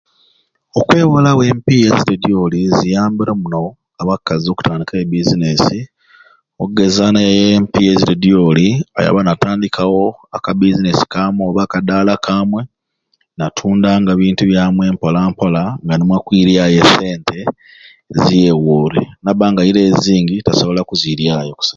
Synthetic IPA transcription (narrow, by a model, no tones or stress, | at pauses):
o̞kwe̞ːwolawe̞ːmpijeziɾediolizijaːmbiɾomuno̞ | aβakːazio̞ku̥taːndikaebizinesi | oɡe̞zanajempijeziɾediolia̰ja̰βanataːndikʰawo̞akabizine̞si̥kaːmweoβakadaːlakʰaːmwe̞ | natʰuːndaŋɡaβiːntuβjaːmwe̞ːmpolaːmpolaŋɡanimwakwiɾjaje̞se̞ːntʰe̞ | zije̞woːɾenaβaːŋɡajiɾe̞ːziːŋɡitaso̞βo̞lakuziɾjaːjo̞ku̥sa